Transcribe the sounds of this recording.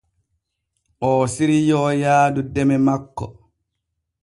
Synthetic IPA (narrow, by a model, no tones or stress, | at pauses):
ʔɔːsiɾijɔːjaːdudɛmɛmakːɔ